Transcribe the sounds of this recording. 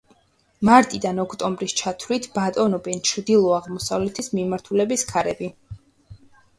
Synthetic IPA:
maɾt̪ʼid̪anɔkʰt̪ʼɔmbɾist͡ʃʰat̪ʰvlit̪ʰb̥at̪ʼɔnɔbɛnt͡ʃʰɾd̪ilˠɔaʁmɔsavlɛt̪ʰismimaɾt̪ʰulɛbiskʰaɾɛbi

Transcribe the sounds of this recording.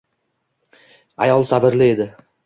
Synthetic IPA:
ajɒlˠsabɪɾlɪe̞d̪ɪ

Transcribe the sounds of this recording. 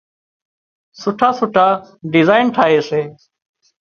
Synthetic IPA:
sʊʈʰaːsʊʈʰaː | ɖɪzaːɪnʈʰaːɦeːseː

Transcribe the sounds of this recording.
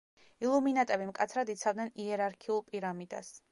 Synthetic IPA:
ilˠuminat̪ʼɛbimkʼat̪sʰɾad̪it̪sʰavd̪nɛniɛɾaɾkʰiulˠpʼiɾamid̪̥a̰s

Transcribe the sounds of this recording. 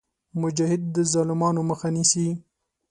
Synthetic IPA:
mʊd͡ʒɑhɪd̪̚ːəzɑlɪmɑnoməxanisi

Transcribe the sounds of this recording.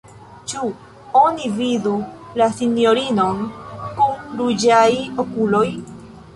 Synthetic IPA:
t͡ʃu | onividulasinjoɾino̞nkumɾud͡ʒajokuloj

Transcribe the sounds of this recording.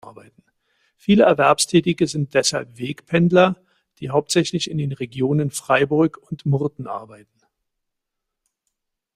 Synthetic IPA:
ɐbaɪtn̩ | fiːləɛɐvɛɐpstʰɛːtɪɡəzɪnt̚d̥ɛshalpv̥eːkpʰɛndlɐ | d̥iːɦaʊp̚tz̥ɛçlɪçɪndeːnʁeɡjoːnənfʁ̥aɪbʊɐkʊntmʊɐdn̩ʔa̰ɐbaɪtn̩

